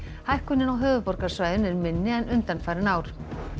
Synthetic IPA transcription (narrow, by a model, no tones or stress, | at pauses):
hajhkʏnːɪnawɦœːvʏpɔɾkaɾ̥svajðʏnɛɾmɪnːɪɛnʏnt̪anfajɾɪnaːwɾ̥